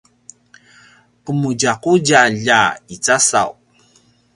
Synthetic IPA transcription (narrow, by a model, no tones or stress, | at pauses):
ʔəmuɟaquɟaʎait͡sasa̰w